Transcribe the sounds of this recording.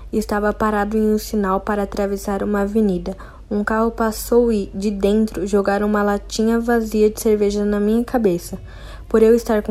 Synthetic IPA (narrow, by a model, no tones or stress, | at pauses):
ɪst̪avɐpaɾad̪ʊẽj̃ũsinawpaɾɐːt̪ɾavesaɾũmɐːvenid̪ɐ | ũkaɦʊpasowɪd͡ʒɪd̪ẽnt̪ɾʊʒoɡaɾ̃ũmɐlat͡ʃĩɲɐvaziɐd͡ʒɪseɾveʒɐnɐmĩɲɐkabesɐ | poɾewɪst̪aɾk